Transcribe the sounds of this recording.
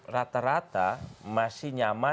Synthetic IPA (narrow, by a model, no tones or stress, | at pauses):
rat̪aɾat̪amasiɲama